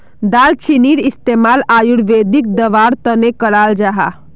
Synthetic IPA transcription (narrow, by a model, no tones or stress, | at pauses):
d̪alt͡ʃʰiniɾist̪emalajuɾʋed̪ik̚d̪əʋaɾt̪ənekəɾald͡ʒaɦa̰